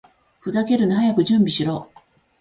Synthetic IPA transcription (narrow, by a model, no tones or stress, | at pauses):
ɸɯ̟zake̞ɾɯ̟naɦajakɯ̟ʑɨ̃mbʲiɕiɾo̞ː